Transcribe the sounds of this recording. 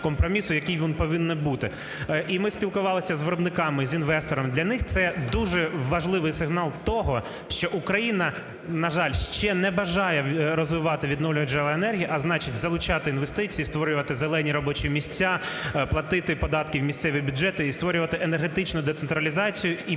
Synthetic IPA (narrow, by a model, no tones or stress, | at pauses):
kɔmpɾɔmʲisʊjɐkʲijʋʲinpɔʋɪnːɛbut̪ɪ | ʔimɪspʲilˠkʊʋɑlˠɪsʲɐzʋɪɾɔbnɪkɑmɪzʲinʋɛst̪ɔɾɔmd̪lʲɐnɪxt̪sɛd̪uʒɛʋɐʒlˠɪʋɪjsɪɦnɑlˠt̪ɔɦɔ | ʃt͡ʃɔʔukɾɐjinɐ | nɐʒɑlʲʃt͡ʃɛnɛbɐʒɑjɛɾɔzʋɪʋɑt̪ɪʋʲid̪nɔwlʲʊɦɐd͡ʒɛlˠɐenɛrɦʲijiʔɐznɑt͡ʃitʲzɐlˠʊt͡ʃɑt̪ɪinʋest̪ɪt͡sʲijːst̪ʋɔɾʲʊʋɐt̪ɪzelˠɛnʲiɾɔbɔt͡ʃimʲisʲt͡sʲːaplˠɐt̪ɪt̪ɪpɔd̪ɑt̪kʲiwmʲisʲt̪sɛʋʲibʲʊdd͡ʒɛt̪ɪist̪ʋɔɾʲʊʋɐt̪ɪʔenerɦet̪ɪt͡ʃnʊd̪ɛt̪sent̪ɾɐlʲizɑt͡sʲijʊi